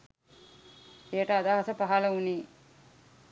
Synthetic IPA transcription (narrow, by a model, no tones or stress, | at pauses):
eːʈɐːd̪aːɦɐsɐpɐɦalɐuni